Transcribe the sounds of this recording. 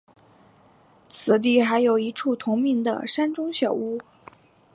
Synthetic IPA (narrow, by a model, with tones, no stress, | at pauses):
t͡sʰɹ̩˨˩t̪̬i˥˩xa˧˥ɪjo˨˩ʊi˧˥ʈ͡ʂʰu˥˩t̪ʰʊ˧˥ŋmi˧˥ŋd̪ə̰˨˩ʂa˥nʈ͡ʂʊ˥ŋɕjɑ˨˩ʊu˥